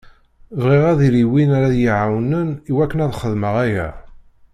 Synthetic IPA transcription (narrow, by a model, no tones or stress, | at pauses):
vʁiʁæðiɾiwinaɾaðjiʕawnəniwækːənæðχəðməʁæjæ̰